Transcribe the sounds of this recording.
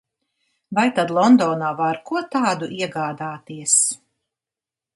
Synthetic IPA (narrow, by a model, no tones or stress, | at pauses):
vajt̪ad̪lˠɔnd̪ɔːnaːvaɾkuɔt̪aːd̪uʔiɛɡaːd̪aːt̪iɛs